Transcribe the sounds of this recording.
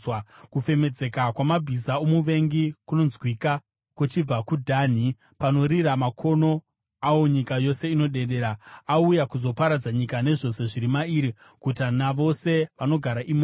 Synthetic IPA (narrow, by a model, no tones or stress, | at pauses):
akufe̞me̞d͡ze̞kakwamabʱisaomuʋe̞ŋɡikuno̞nzwika | kut͡ʃib͡vakudʱaːn̤i | pano̞ɾiɾamakʰo̞no̞ | awo̞ɲikajo̞se̞ino̞ɗe̞ɗe̞ːɾaaujakuzo̞paɾad͡zaɲikane̞ʐo̞se̞ʐiɾimaiːɾi | kutanaʋo̞se̞ʋano̞ɡʱaɾaʔima